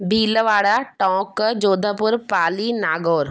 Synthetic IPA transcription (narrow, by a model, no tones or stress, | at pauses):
bʱiːləʋaːɽaʈɔ̃ːkd͡ʒoːd̪ʱəpʊɾpaːlinaːɡoːɾ